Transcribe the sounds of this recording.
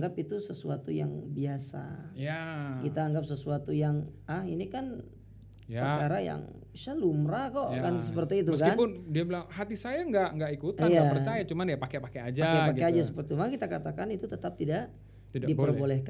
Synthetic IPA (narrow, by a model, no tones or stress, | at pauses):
ŋɡapit̪usəsuat̪uja̰ŋbiasa̰jakit̪aːŋɡap̚səsuat̪ujaŋahinikan | pəkaɾaja̰ŋbisalumɾakɔʔkansəpərt̪iːt̪̬uəkanpʊndiabilaŋhat̪isajaŋɡaʔŋɡaʔikut̪ajaaərt͡ʃajat͡ʃumanjapakepakead͡ʒakepakead͡ʒasəpərt̪it͡ʃumaŋkit̪akat̪akanit̪ut̪ət̪ap̚t̪idaʔ | t̪idadipərbolɛhka